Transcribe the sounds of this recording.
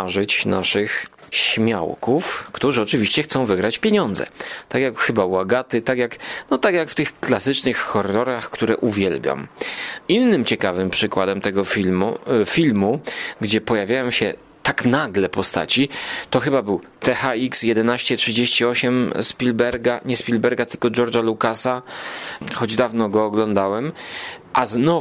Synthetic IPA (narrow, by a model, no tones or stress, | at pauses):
ʐɘt͡ɕna̰ʂɘxɕmʲja̰wkufkt̪uʐɨɔt͡ʂɘvʲiɕt͡ɕɛxt̪sɔ̃w̃vɘɡɾat͡ɕpʲjeɲɔnd̪zɛ̰t̪akʲjakxɘbawaɡat̪ɘt̪akʲjaknɔt̪akjakft̪ɘxklasɘt͡ʂnɘxxɔrːɔɾaxkt̪uɾɛʔuvʲjɛlbʲjɔ̰minːɘmt͡ɕɛkavɘmpʂɘkwad̪ɛmt̪ɛɡɔifʲilmuɡd͡ʑɛpɔjavʲjajɔ̃w̃ɕɛ | t̪aknaɡlɛpɔst̪a̰t͡ɕit̪ɔxɘbabɘwt̪ɛxaiksjɛd̪ɛnaɕt͡ɕɛtʂɘd͡ʑeɕt͡ɕiɔɕɛmspʲilbɛɾɡaɲɛspʲilbɛɾɡat̪ɘlkɔd͡ʒɔɾd͡ʐalukasa | xɔd͡ʑd̪avnɔɡɔːɡlɔnd̪awɛmʔaznɔ